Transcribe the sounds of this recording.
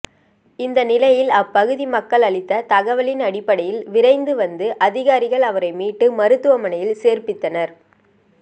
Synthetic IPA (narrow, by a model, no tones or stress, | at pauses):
ɪnd̪ɐnɪlɐjɪlɐpːɐɣɯðimɐkːɐɭɐɭɪt̪ːɐt̪ɐɣɐʋɐɭɪnɐɽɪpːɐɽɐjɪlʋɪɾɐɪnd̪ɯʋɐnd̪ɯʔɐðɪɣaːɾɪɣɐɭɐʋɐɾɐɪmiːʈːɯmɐɾɯt̪ːɯʋɐmɐɳɐjɪlseːɾpɪt̪ːɐnɐɾ